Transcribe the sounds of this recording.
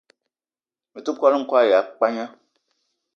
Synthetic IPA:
mi˨tu˦kʷa˦li˦ŋ̩˦kɔ˦a˦˨ja˨k͡pa˦ɲã˦

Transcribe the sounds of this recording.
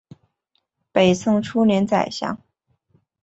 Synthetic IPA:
pe˨˩ɪsʰɤ˥ŋʈ͡ʂʰu˥njɛ˧˥nt͡sa̰˨˩ɪɕjɑ̰˥ŋ

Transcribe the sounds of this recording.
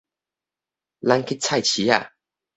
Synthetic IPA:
la˧nkʰi˦t͡sʰa˥˧˨jt͡ɕʰi˨˦a̰˨

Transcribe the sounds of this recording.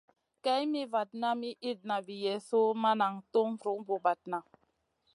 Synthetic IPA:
kɛ˦jmi˦va˨t̚na˦mi˦ʔi˦t̚na˨vi˨jɛ˨so˦ma˦na˨ŋto˦ŋɾu˨˦ŋbo˨ba˨t̚na˨

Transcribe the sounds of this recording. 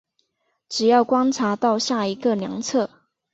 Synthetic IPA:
ʈ͡ʂɻ̩˨˩jɑ˥˩ʊkwa˥nʈ͡ʂʰa˧˥t̪ɑ˥˧ʊɕja˥˩i˧˥ɡə˨ljɑ˧˥ŋt͡sʰɤ˥˨

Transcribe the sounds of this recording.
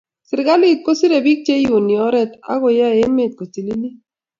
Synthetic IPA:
sɪ˨ɾɪ˨ɡa˦li˦˨t̪̚ko˦si˦ɾe˨bi˦k̚t͡ʃe˦jo˨ni˨ɔ˦ɾɛ˦t̪a̰˦ɣo˨ja˦e˦me˦˨t̪̚ko˨ti˨li˦li˦

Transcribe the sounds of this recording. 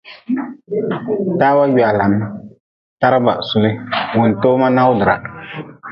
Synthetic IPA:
taː˦wa˦ja˨la˨n˦ | ta˦ɾa˦ba̰˨su˦lɪ˦wʊ˨n˨toː˦ma˦na˦wdɨ˨ɾa̰˨

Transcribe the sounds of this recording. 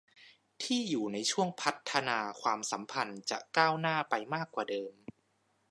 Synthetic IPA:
t̪ʰiː˥˩juː˨˩na˧jt͡ɕʰu˥˩əŋpʰa˦˥t̪ʰːa˧naː˧kʰwaː˧msa˩˦mpʰa˧nt͡ɕa̰˨˩kaː˥˩wnaː˥˩pa˧jmaː˥˩kːwaː˨˩dɤː˧m

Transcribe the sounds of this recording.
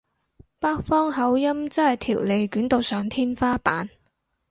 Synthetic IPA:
paː˥k̚fɔː˥ŋɦɐ˨˥wjɐ˥mt͡sɐ˥nhɐ˨˩jt̪ʰḭː˨˩wle˨˧jkyː˨˥nt̪o˨wsœː˨˧ŋt̪ʰiː˥nfaː˥paː˨˥n

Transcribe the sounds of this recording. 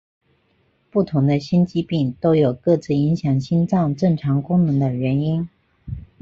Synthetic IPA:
pu˥˩t̪ʰʊ˧˥ŋd̪ə˧ɕi˥nt͡ɕi˥pi˥˩ŋt̪o˥ʊjo˨˩ʊkɤ˥˧t͡sɹ̩˥˩i˧˥ŋɕjɑ˨˩ŋɕi˥nʈ͡ʂɑ˥˧ŋʈ͡ʂɤ˥˩ŋʈ͡ʂʰɑ˧˥ŋkʊ˥ŋnɤ˧˥ŋd̪ə˧ɥɛ˧˥ni˥n

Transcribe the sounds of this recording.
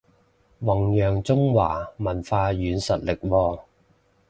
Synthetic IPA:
wɐ˨˩ŋjœː˨˩ŋt͡sʊ˥ŋwa̰ː˨˩mɐ˨˩nfaː˧jyː˨˧nsɐ˨t̚lɪ˨k̚wɔː˧

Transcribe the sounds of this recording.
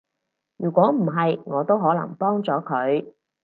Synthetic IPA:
jyː˨˩kʷɔː˨˥m̩˨˩ɦɐ˨jŋɔː˨˧t̪o˥wɦɔː˨˥lɐ̰˨˩ŋpɔː˥ŋt͡sɔː˨˥kʰɵ˨˧ɥ

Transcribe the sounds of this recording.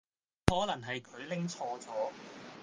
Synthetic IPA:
hɔː˨˥lɐ˨˩ŋɦɐ˨jkʰɵ˨˧ɥlɪ˥ŋt͡sʰɔː˧t͡sɔː˨˥

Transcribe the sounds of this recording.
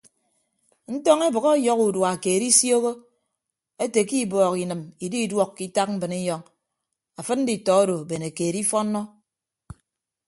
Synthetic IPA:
n̩˦tɔ˦ŋe˦bɨ˨ɣɔ˦jɔ˦ku˨dwa˨keː˨ɾi˦sjo˦ɣo˦ | e˦te˨ki˦bɔː˨ki˨nɨ˨mi˨di˦i˦dwɔ˦kːi˦ta˦k̚m̩˦bɨ˨ni˦jɔ˦ŋ | a˨fɨ˦t̚n̩˦di˨tɔ˨˦o˦do˨be˨ne˨keː˨ɾi˦fɔ˦nːɔ˦

